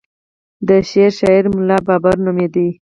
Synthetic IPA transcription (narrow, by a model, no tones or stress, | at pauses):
d̪əʃeɾʃɑiɾmʊlɑbɑbaɾnumed̪i